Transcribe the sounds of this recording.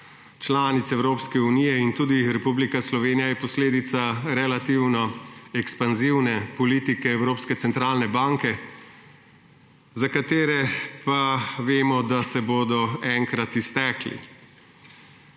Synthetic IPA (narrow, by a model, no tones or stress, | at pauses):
t͡ʃlaːnit̪sɛwɾoːpskɛunijɛint̪uːd̪iɾɛpublikaslɔʋeːnijajɛpɔsleːd̪it̪saɾɛlat̪iːwnɔɛkspanziwnɛpɔliːt̪ikɛːwɾoːpskɛt̪sɛnt̪ɾaːlnɛbaːŋkɛ | zakat̪eːɾɛpaʋeːmɔd̪asɛboːd̪ɔɛŋkɾat̪ist̪ɛːklḭ